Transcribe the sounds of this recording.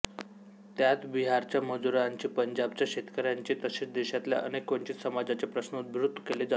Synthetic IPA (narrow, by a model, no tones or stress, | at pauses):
t̪jat̪biɦaɾt͡ɕjaməd͡zuɾaɲt͡ɕiːpəɲd͡ʑab̚t͡ɕjaɕet̪kəɾjaɲt͡ɕiːt̪əɕet͡sd̪eɕat̪lja̰ʔə̰nekːoɳt͡ɕiːt̪səmad͡zat͡sepɾəsnut̪ʋɾud̪ʱːəkeled͡zat̪